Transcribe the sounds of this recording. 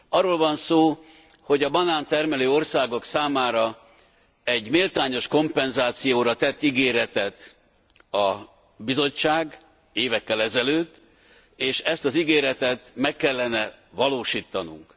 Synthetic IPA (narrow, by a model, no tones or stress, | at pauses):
ɒrːoːlvɒnsoː | ho̞ɟɒbɒnaːnt̪ɛrmɛløːo̞rsaːɡo̞ksaːmaːɾɒ | ɛɟmeːlt̪aːɲo̞ʃko̞mpɛnzaːt̪sijoːɾɒt̪ɛt̪ːiɡeːɾɛt̪ɛt̪ | ɒ | bizo̞t͡ʃːaːɡ | eːvɛkːɛlɛzɛløːt̪ː | eːʃɛst̪ɒziɡeːɾɛt̪ɛt̪mɛkːɛlːɛnɛvɒloːʃiːt̪ːɒnṵŋk